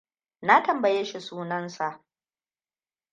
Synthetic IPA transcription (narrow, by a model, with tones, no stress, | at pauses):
na˦tɐ˨mbɐ˨je˦ʃi˨suː˦nɐ˦nsa˨ʔ